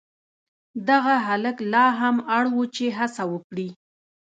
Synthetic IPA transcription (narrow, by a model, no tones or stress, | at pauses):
d̪aɣaɦaləklɑɦamaɽwut͡ʃeɦasawəkɽi